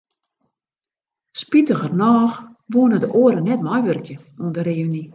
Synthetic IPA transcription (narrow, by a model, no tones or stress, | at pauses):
spitəɣərnɔːx | ʋoənədəʔoəɾənɛtmɔjʋørkjə | uəndəɾeəʋəni